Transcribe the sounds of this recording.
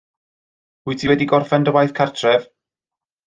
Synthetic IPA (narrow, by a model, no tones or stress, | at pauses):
ʊtʰiwɛdiɡɔrfɛndəwajθkʰartʰrɛv̥